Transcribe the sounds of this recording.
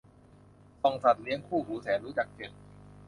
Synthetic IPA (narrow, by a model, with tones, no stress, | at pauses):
sɔ˨˩ŋsa˨˩t̪̚li˦˥əŋkʰuː˥˩ɦuː˩˦sɛː˩˦nɾuː˦˥t͡ɕa˨˩k̚t͡ɕe˨˩t̪̚